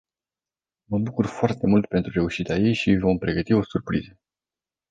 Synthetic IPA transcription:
məbukurfoart̪e̞mult̪̚pe̞nt̪ɾuɾe̞uʃit̪eajejʃivo̞mpɾe̞ɡət̪io̞surpɾizə

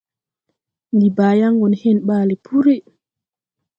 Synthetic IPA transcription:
ndibaːjaŋɡɔnhɛnɓaːlɛpʰuɾɛ

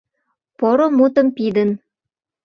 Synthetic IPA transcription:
poɾomut̪ə̆mpid̪ə̆n

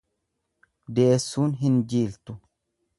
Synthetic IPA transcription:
d̪e̞ːsːuːnɦɪnd͡ʒiːlt̪ʊ

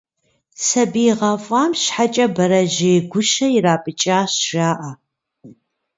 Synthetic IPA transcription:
sɐbiːʁɐfʷʼaːmɕħat͡ʃʼɐbɐɾɐʒeːɡʷʊʃɐjiraːpʼɨt͡ʃʼaːɕʒ̥aːʔɐ

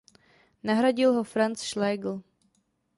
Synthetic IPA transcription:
naɦɾaɟɪlɦofɾant͡sʃlɛːɡl̩

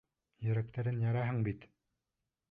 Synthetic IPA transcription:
jɵ̆ɾæk̚t̪æɾɘnjɑɾɑɦɤɴbit̪

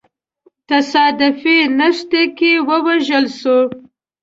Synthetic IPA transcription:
t̪asɑd̪ɪfenaʂt̪akewəwaʒəlʃo

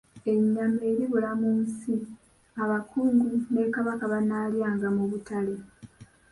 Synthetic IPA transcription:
e̞ɲːame̞ːɾiβulamuːnsi | aβakuːŋɡune̞kaβakaβanaljaːŋɡamuβutale̞

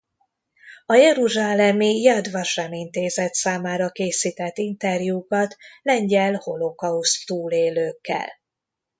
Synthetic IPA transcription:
ɒjɛɾuʒaːlɛmijɛd̪vɒʃɛmint̪eːzɛt̪saːmaːɾɒkeːsiːt̪ɛt̪ːint̪ɛrjukɒt̪lɛɲɟɛlho̞lo̞kɒust̪t̪uːleːløːkːɛ̰l

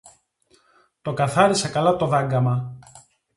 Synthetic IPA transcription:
t̪o̞kɐθɐɾisɐkɐlɐt̪o̞ðɐŋɡɐmɐ

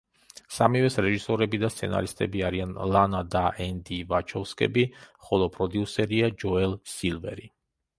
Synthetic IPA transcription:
samivɛsɾɛʒisɔɾɛbid̪ast̪sʰɛ̰na̰ɾist̪ʼɛbiaɾianlˠanad̪aʔɛnd̪ivat͡ʃʰɔfskʼɛ̰biχɔlˠɔpʼɾɔd̪iusɛɾiad͡ʒɔɛlsilˠvɛ̰ɾi

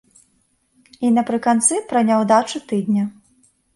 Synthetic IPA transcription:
inɐpɾɨkant̪sɨpɾɐnʲawd̪at͡ʂut̪ɨd̪nʲɐ

